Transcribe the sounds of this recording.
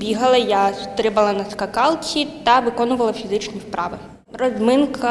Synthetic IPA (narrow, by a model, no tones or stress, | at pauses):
bʲiɦɐlˠɐjast̪ɾɪbɐlˠɐnɐskɐkɑlˠt͡sʲit̪ɐʋɪkɔnʊʋɐlˠɐfʲizɪt͡ʃnʲispɾɑʋɪ | rɔzmɪnkʰɐ